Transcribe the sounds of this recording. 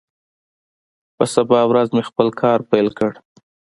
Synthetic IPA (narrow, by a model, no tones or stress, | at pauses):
pəsabɑwɾazmexpəlkʰɑɾpajlkəɽ